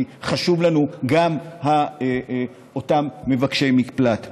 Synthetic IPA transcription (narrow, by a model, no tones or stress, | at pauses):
χaʃuvlanuɡamhae | o̞tamːe̞vakʃejmiplat